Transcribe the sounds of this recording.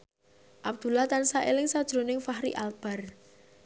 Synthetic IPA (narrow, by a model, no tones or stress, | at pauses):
ʔab̚d̪̥ṳlaht̪ansaʔelɪŋsad̥ʒ̥ɾo̤nɪŋfahɾḭʔalb̥a̤r